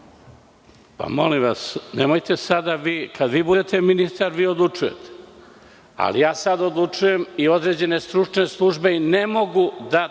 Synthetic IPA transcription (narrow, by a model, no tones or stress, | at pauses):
pa̰mo̞limʋasnemojt̪esad̪aʋiːkʰad̪ʋiːbud̪et̪e̞minist̪aɾʋiːod̪lˠut͡ʃuje̞̰t̪ʰe̥ | a̰lḭjaːsad̪od̪lˠut͡ʃuje̞mio̞d̪ɾe̞ːd͡ʑe̞ne̞st̪ɾut͡ʂne̞slˠuʒbe̞ne̞mo̞ɡud̪a